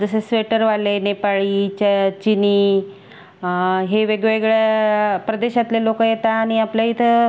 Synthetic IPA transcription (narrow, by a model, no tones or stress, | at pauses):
d͡zəsesʋeʈəɾʋalenepaɭiːt͡ɕt͡ɕiniː | ɦeʋeɡʋeɡɭepɾəd̪eɕat̪lelokəjet̪aːɽ̃iapljait̪ʰə